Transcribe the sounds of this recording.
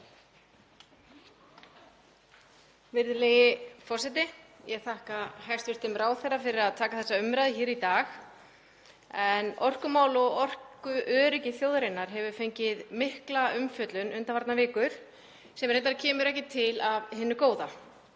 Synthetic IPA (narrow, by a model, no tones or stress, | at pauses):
vɪɾðɪleːjɪfɔr̥sɛt̪ɪjɛɣθahkahajst̪vɪst̪ɪmɾaːwθerafɪɾɪɾaðt̪ʰaːkaθɛsːaʏmɾajðɪçɛːɾit̪aːx | ɛnɔr̥kʏmaːwlɔɣɔr̥kʏʔœːɾɪcɪθjowðɾɪnːaɾ̥ɦɛvʏ̥fejɲcɪðmɪhklaʏmfjœt̪lʏnʏnt̪avaɾt̪navɪːkʏɾ̥ | sɛmɾhɛt̪ːaɾcʰɛːmʏɾɛhcɪt̪ʰɪlavɦɪnːʏkoːwða